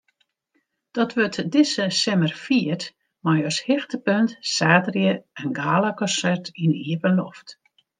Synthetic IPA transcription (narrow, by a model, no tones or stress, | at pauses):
d̥ɔtʋøtdɪsəsɛmərfiət | majøshɪxtəpøntsaːtrjəɛnɡaːlakɔsɛrtiniəpənlɔ̰ft